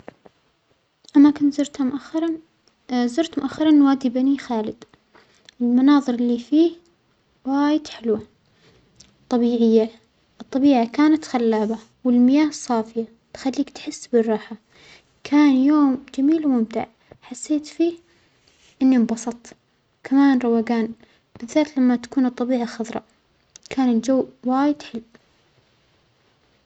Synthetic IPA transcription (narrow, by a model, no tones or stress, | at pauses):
ʔamːakʊnt̪zʊɾt̪hamʊʔaxːɑɾˤɑ | zʊɾt̪mʊʔaxːɑɾˤɑnwaːd̪ibanixaːlɪd̪ | ɪlmanɑːðˤɨɾɪlːifiː | waːjɪd̪ħɪlwa | t̪ˤːɑbiːʕɪjːa | ʔɨt̪ˤːɑbiːʕakaːnat̪xalːaːba | wɪlmɪjaːhɨsˤːɑːfɪja | t̪xalːiːkt̪ħɪsːbɪrˤːɑːħa | kʰaːnjoːmd͡ʒamiːlwmʊmt̪ɪ̰ʕ | ħasːeːt̪fiː | ʔɪnːimbɑsˤɑt̪ˤ | kʰamaːnɾˤɑwaːɡaːn | b̥ɪðːaːt̪lamːat̪ḁkuːnɨt̪ˤːɑbiːʕaxɑðˤɾˤɑ̰ | kʰaːnɪld͡ʒawwaːjɪd̪ħɪlw